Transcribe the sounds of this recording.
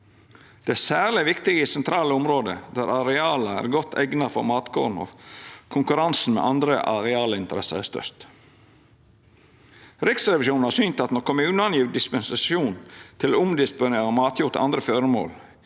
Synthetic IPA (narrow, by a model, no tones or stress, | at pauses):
d̪̥ɛæsæːlɪʋɪkt̪ɪɡəisɛnt̪ʰɾɑːləʊmɾoːd̪əd̪æːɾɑɾɛɑːləæ̰ːɾɡɔt̪ʰːɛ̰ɡnəfɔ̰ɾmɑːt̪kʰo̰ːdn̩ɔ̰kʰʊŋkʉɾɑnsn̩mɛ̰ʔɑnd̪ɾəʔɑ̰ɾɛɑːləɪnt̪əɾɛsə̰ɾæst̪œ̰ɾt̪ | ɾɪksɾɛʋɪʃuːn̩hɑːɾsynt̪ɑt̪nɔɾkʰɔmʉːnəɑnjiːʋ̪d̪ɪspɛnsɑsuːnt̪ʰɪloʊmd̪ɪspʊneːɾəmɑːt̪ʰjʊɾt̪ʔɑ̰nd̪ɾəføːɾəmo̰ːl